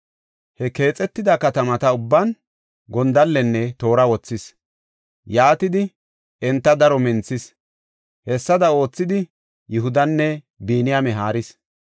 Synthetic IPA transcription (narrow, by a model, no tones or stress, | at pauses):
hɛke̞ːt͡sʼɛt̪ːɪd̪ɐkɐt̪ɐmɐt̪ɐʊbːɐn | ɡɔnd̪ɐlːɛnːɛt̪o̞ːɾɐwɔt͡sːɪs | jaːt̪ɪd̪ɪ | ɛnt̪ːɐd̪ɐɾɔmɛnt͡sːɪs | hɛsːɐd̪ɐo̞ːt͡sːɪd̪ɪ | jʊɦʊd̪ɐnːɛ | biːnɪjamɛɦaːɾɪs